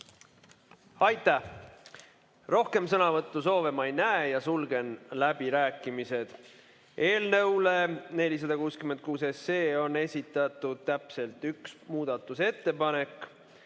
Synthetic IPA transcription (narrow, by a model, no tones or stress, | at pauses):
ɑjt̪ːˑæh | ro̞hke̞msɤnɑvɤt̪ːuso̞ːve̞mɑjnæejɑsulɡe̞nlæb̥iɾæːkːˑimise̞d̪̥ | ʔe̞ːlnɤwle̞ne̞lʲis̬ɑd̪ɑkuːskymen̚kuːseseːo̞nːe̞sʲit̪ːˑɑt̪ˑːud̪̥̚t̪æpse̞lt̪yksmuːd̪̥ɑt̪ːˑuse̞t̪ːe̞pɑne̞kːˑ